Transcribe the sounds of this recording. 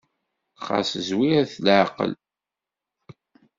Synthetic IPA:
χa̰səzwiæθlʕqə̰l

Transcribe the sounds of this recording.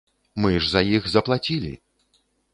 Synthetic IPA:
mɨʐzɐjixzɐplˠat͡sʲilʲḭ

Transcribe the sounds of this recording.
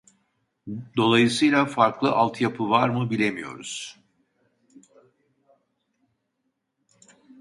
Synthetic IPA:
d̪o̞lˠajɯsɯjlʲˠafaɾklˠɯʔalˠt̪ʰjapʰɯvaɾmɯbilʲe̞mijo̞̰ɾṵz̥

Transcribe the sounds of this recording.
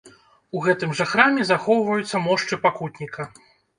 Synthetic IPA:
uɣɛt̪ɨmʐɐxɾamʲɛzaxɔwvɐjut̪sːɐmɔʂt͡ʂɨpakut̪ʲnʲikʰɐ

